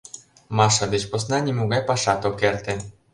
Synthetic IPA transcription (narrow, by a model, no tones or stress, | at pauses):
mɑʃɑβet͡ɕposnɑnʲemuɣɑjpɑʃɑt̪okert̪ĕ